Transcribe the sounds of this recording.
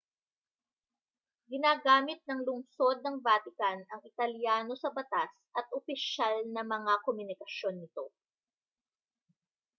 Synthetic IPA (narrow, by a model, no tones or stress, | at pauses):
ɡɪnaːɡaːmɪt̪̚nɐŋlʊŋso̞d̪̚nɐŋvaːt̪ɪkɐnɐŋɪt̪ɐljaːno̞sɐbɐt̪as | ʔɐt̪̚ʔopɪʃalnɐmɐŋakomjʊnɪkɐʃjo̞nːɪt̪o̞